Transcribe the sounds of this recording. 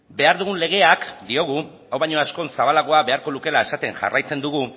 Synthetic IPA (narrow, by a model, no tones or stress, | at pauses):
be̞aɾðuɣ̞unle̞ɣ̞e̞akd̪io̞ɣ̞u | awβaɲo̞asko̞nsaβ̞alaɣo̞aβe̞aɾko̞luke̞lae̞sat̪e̞ŋʝa̰rajt͡se̞nd̪uɣ̞u